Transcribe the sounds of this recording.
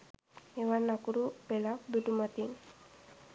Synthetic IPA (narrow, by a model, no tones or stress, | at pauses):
eʋanakuɾupelakbuʈumat̪in